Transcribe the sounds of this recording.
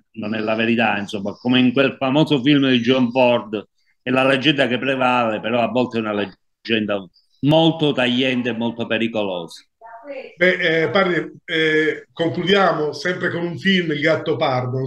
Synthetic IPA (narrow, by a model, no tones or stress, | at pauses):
nonɛlːaveɾit̪ainsomːakomeiŋkwelfamoːzofilmd̪id͡ʒɔmfɔrd̪ | ɛlːaled͡ʒːɛnd̪akepːɾevaːlepeɾɔavːɔlt̪eɛunale | d͡ʒːɛnd̪a | molt̪ot̪aʎːɛnt̪eːmːolt̪opeɾikolɔːsḁ | bɛpaɾd̪i | koŋklud̪jaːmosɛmpɾekonuɱfilmilɡat̪ːopard̪o